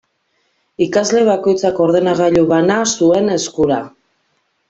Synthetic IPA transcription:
ikazle̞βako̞jt͡sako̞ɾðe̞naɣaʎuβanasue̞ne̞skuɾa

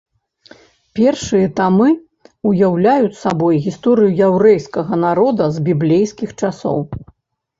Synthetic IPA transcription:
pʲɛrʂɨjɐt̪amɨ | ujawlʲajut͡sʲsabɔjɣʲist̪ɔɾɨjujawɾɛjskɐɣɐnaɾɔd̪ɐzbʲiblʲejskʲixt͡ʂasɔ̰w

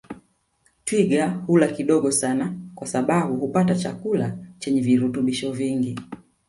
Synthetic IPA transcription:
twiɡahulakiɗɔɡɔsanakwasaɓaɓuhupatat͡ʃa̰kulat͡ʃɛɲɛviɾutuɓiʃɔviŋɡi

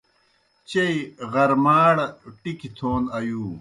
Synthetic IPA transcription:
t͡ɕeiɣɐɾmaːɽɐʈikit̪ʰoːnɐjuː

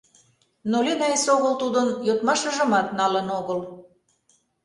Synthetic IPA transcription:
nolʲenɑesoɣəlt̪ud̪ənjot̪mɑʃə̆ʒə̆mɑt̪nɑlənoɣəl

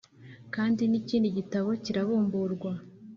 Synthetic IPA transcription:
kaːndiniciːndiɟitaβo̞ciɾaβuːmbuɾɡwa

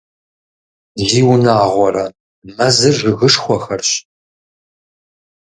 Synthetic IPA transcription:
ziːwnaːʁʷɔɾɐ | mɐzɨrʒɨɣɨʂχʷɔxɐrɕ

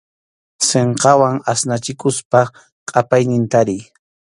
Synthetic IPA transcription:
seɴqɑwaŋasnat͡ʃɪkʊspa | qʼapajnɪnt̪aɾɪj

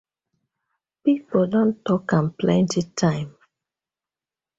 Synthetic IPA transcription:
pipodɔ̃ntɔkãmplɛ̃ntitʰãɪ̃m

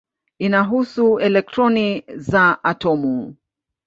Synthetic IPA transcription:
inaɦusuɛlɛk̚tɾɔnizaʔatɔmu

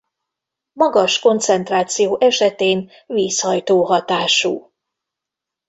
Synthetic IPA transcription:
mɒɡɒʃko̞nt̪sɛnt̪raːt̪sijoːʔɛʃɛt̪eːn | viːshɒjt̪oːɦɒt̪aːʃuː

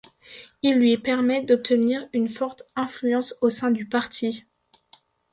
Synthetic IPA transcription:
ilːɥipɛʁmɛd̪ɔp̚t̪əniʁynfɔʁt̪ɛ̃flyɑ̃sosɛ̃d̪ypaʁt̪ʰi

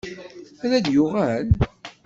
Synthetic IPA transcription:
ælæd̪jʊʁæl

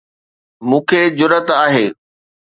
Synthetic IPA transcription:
mũːkʰed͡ʑʊɾət̪aːɦeː

